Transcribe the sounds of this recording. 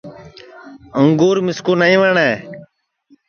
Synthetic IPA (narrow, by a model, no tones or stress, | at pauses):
əŋɡoːɾmɪskoːnəĩːʋəɳɛː